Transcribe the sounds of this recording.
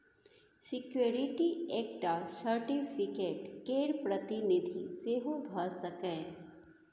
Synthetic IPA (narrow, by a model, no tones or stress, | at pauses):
sɪkjoːɾɪʈieːk̚ʈasəɾʈipʰɪkeːʈkeːɾpɾɐt̪ɪnɪd̪ʱiseɦobʱəsɐkɛ̃ː